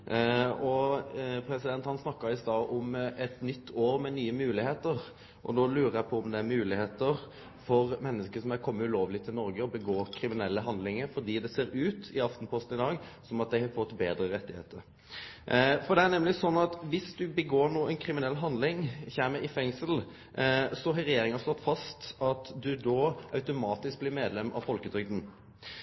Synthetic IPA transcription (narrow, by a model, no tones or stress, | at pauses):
ɔpʰɾɛsɪd̪ɛnt̪hɑnsnɑkːəɪst̪ɑːʔʊmɛt̪nʏt̪ʰːoːɾmɛnyːəmʉːlɪheːt̪əɾ | ʔɔ̰d̪oːlʉːɾəjæɪpʰɔʊmd̪ɛæɾmʉːlɪheːt̪əɾ | fɔɾmɛnːəskəsɔmæɾkʰɔmːəʉloːʋlɪt̪ʰɪlnɔɾɡəɔbəɡoːkʰɾɪmɪnɛlːəɦɑnd̪lɪŋəɾfɔd̪iːd̪ɛseːɾʉːt̪ɪɑft̪n̩pʰɔst̪n̩ɪd̪ɑːɡsɔmɑt̪̚d̪æɪhɑfɔt̪ːbeːd̪ɾəɾɛt̪ːɪhḛːt̪əɾ | fɔd̪ɛæɾnɛmlɪsɔnːɑt̪ʋɪsd̪ʉbəɡoːnuːɛnkʰɾɪmɪnɛlːɦɑnd̪lɪŋçæːməʔɪfɛŋsəl | sɔɦɑɾɛjeːɾɪŋɑslɔt̪ːfɑst̪ɑt̪d̪ʉd̪oːʔɑʉt̪ʊmɑːt̪ɪsk̚bliːmeːd̪lɛmɑ̰ʋfɔlkəd̪ɾʏɡ̚d̪n̩